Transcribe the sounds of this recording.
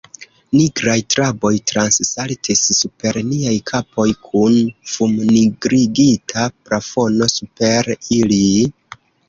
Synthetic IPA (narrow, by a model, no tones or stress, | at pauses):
niɡɾajtɾabo̞jtɾanssaltʰisːupe̞ɾniajkʰapo̞jkʰunfumniɡɾiɡitʰapɾafo̞no̞supe̞ɾili